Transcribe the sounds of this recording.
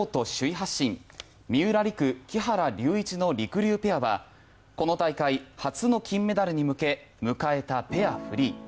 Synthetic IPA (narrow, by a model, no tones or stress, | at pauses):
t̪o̞ɕɨiɦaɕːĩm | mʲiɯ̟ɾaɾʲikɯ̟kʲiɦaɾaɾʲɨːit͡ɕino̞ɾʲikɯ̟ɾʲɨːpe̞aβa̰ | ko̞no̞t̪aikaihat͡sɨno̞kʲĩmːe̞d̪aɾɯ̟ɲ̟imɯ̟ke̞mɯ̟kae̞t̪ape̞aɸɯ̟ɾʲiː